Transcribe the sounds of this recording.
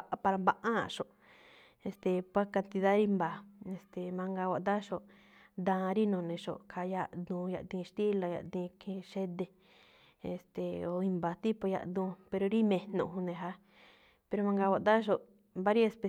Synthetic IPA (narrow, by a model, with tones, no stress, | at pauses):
pa˧ɾa˧mba˧ʔã̰˦˧ʃo˧˨ʔ | e˧st̪e˧pʷa˦ka˧nt̪i˧ða˦ɾi˦mba˨e˧st̪e˨mã˧ŋɡa˧wa˧˨d̪a˦ʃo˧˨ʔ | d̪ãː˧ɾi˦nõ˨˧nẽ˧ʃo̰˧˨ʔkʰa˧ja˧d̪ũː˧ja̰˧ʔt̪ĩ˧ʃt̪i˦la˧ja̰˧˨t̪ĩ˧kʰẽ˧ʃe˦d̪e˧ | ḛ˧˨st̪e˨o˧i˧mba˨˧t̪i˦po˧ja̰˧ʔd̪ũ˧pe˧ɾo˧ɾi˦mẽ˧nõ̰˧˨ɦũ˧nẽ˧ɦa˧˦ | pe˧ɾo˧mã˧ŋɡa˧wʷa˧˨d̪a˦ʃ̬o˧ | mba˧˦ɾi˦e˧spe˧